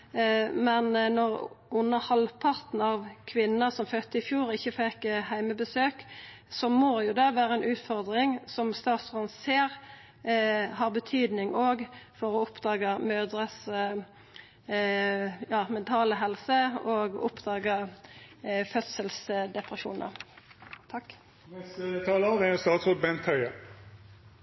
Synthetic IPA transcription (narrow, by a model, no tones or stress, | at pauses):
mɛnnɔʁʔʊnːəhɑlpʰɑʁt̪n̩ɑʋkʰʋɪnəsɔmfœt̪ːəɪfjuːɾɪçːəfɛkhæɪməbəsøːk | sɔmoːjʊd̪ɛʋæːɾəɛnʉːt̪fɔʁd̪ʁɪŋsɔmst̪ɑːt̪sɔʁənseːʁ | hɑʁbət̪ʰyːd̪nɪŋʔoːɡfɔɾɔʊpd̪ɑːɡəmøːd̪ɾəs | jɑːmɛnt̪ʰɑːləɦɛlsəoːɡʊpd̪ɑːɡə | fœt̪səlsd̪ɛpʁəʃṵːnə̰ | t̪ʰɑkː | ɛst̪ʰɑːləɑʋæjʊst̪ɑːt̪sʁoːd̪̚bɛnt̪ʰœʏə